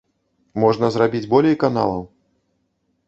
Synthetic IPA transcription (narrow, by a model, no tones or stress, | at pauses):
mɔʐnɐzrabʲid͡zʲbɔlʲɛjkana̰lˠɐw